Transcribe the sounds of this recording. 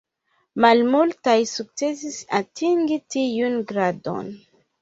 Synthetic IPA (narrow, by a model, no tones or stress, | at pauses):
malmultajsuk̚t͡sesisatʰiŋɡitiunɡɾado̰n